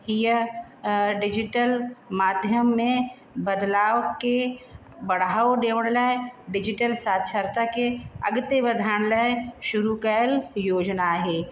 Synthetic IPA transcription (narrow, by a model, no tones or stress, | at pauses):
ɦijə | ɖɪd͡ʒɪʈəlmaːd̪ʱjəmːẽ | bəd̪laːʋke | bɐɽ̤aːoɖeːʋəɽ̃ləɖɪd͡ʒɪʈəlsaːt͡ʃʰəɾt̪akeɐ̰ɡt̪ebɐd̪ʱaːɽ̃ləʃʊɾukəjəljoːd͡ʒnaɦeː